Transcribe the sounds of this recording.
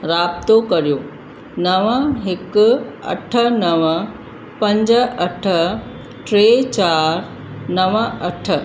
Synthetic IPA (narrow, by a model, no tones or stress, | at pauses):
ɾaːpt̪okɐɾjoː | nɐʋəɦɪkɐ̰ʈʰənɐʋə | pɐ̃ɲd͡ʑəɐʈʰə | ʈɾet͡ɕaːɾ | nɐʋəɐʈʰə